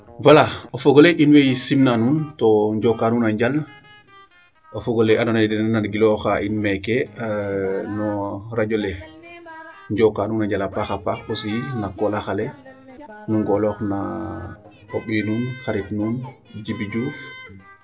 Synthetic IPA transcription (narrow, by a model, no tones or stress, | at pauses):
walaofɔɡɔleʔinwejsimnanuːntɔɲɟokanunaɲɟal | ofɔɡoleʔanɔnadɛnnanɡilɔxaʔinmɛkɛ | nɔɾaɟole | ɲɟɔkanuːnaɲɟalapaxapaxosijinakɔlaxale | nuŋɡɔlɔxna̰ | oɓiːnuːnxaɾitnuːn | d͡ʒibiɟuːf